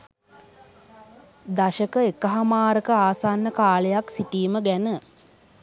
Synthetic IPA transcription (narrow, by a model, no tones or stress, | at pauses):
d̪aʃəkəekəɦamaːɾəkəaːsanːəkaːləjaksiʈiːməɡænə